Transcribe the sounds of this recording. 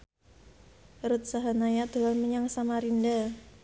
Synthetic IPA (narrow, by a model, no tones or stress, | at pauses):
ɾut̪̚saɦanajad̪̥o̤anməɲaŋsamaɾinda